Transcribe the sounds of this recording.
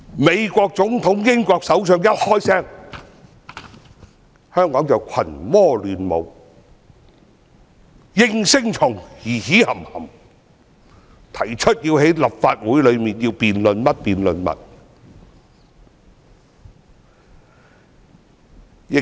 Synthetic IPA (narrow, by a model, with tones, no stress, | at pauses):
me˨˧jkʷɔː˧k̚t͡sʊ˨˥ŋt̪ʰʊ˨˥ŋjɪ˥ŋkʷɔː˧k̚sɐ˨˥wsœː˧ŋjɐ˥t̚hɔː˥jsɛː˥˩ŋ | hœː˥ŋkɔː˨˥ŋt͡sɐ˨˩wkʷʰɐ˨˩nmɔː˥lyː˨˧nmo̰˨˧w | jɪ˥ŋsɪ˥ŋt͡sʰʊ˨˩ŋjiː˨˩hiː˨˥hɐ˨˩mhɐ˨˩m | t̪ʰɐ˨˩jt͡ʃʰɵ˥t̚jiː˧whe˨˥jlɐ˨˩p̚fa̰ː˧t̚wu˨˥jlɵ˨˧ɥmiː˨njiː˧wpiː˨nlɵ˨nmɐ˦˥t̚piː˨nlɵ˨nmɐ̰˨t̚ | jɪ˨